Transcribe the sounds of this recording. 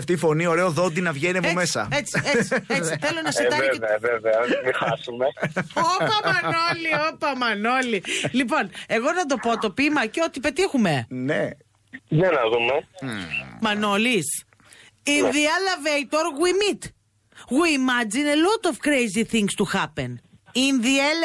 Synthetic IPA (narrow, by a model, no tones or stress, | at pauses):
ft̪ifo̞nio̞ɾeoðod̪inɐvʝeniɐvomesɐ̰et͡siesiet͡siiθelonɐsit̪ɐɣoeevɐveveɐvixɐsumeoppɐmɐnoliopɐmɐnolilip̬o̞ne̞ɣo̞nɐd̪o̞po̞t̪o̞pimɐceo̞t̪ipe̞t̪ixume̞ne | ʝɐnɐðume | mɐnolis | inðiɐlɐvejt̪oɾɣwimit̪ | ɣimɐd͡zinelot̪ofkɾejziθiŋɡst̪uxɐpeninðiɐ